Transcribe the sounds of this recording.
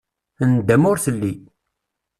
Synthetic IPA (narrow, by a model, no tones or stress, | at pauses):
ənd̪æmʊɾθəlːi